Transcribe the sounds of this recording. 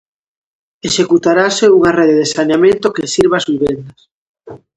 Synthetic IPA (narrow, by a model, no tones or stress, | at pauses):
eʃekut̪aɾaseuŋareðeðesanamẽnt̪okesiɾβazβiβend̪as